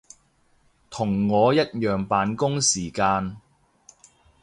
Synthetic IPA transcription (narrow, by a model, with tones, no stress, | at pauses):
t̪ʰʊ˨˩ŋːɔː˨˧jɐ˥t̚jœː˨˩ŋpaː˨˧nkʊ˥ŋsiː˨˩kaː˧n